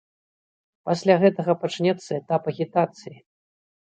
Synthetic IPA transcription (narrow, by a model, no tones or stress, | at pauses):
pasʲlʲaɣɛt̪ɐɣɐpat͡ʂnʲɛt̪sːɐɛt̪apɐɣʲit̪at̪sɨji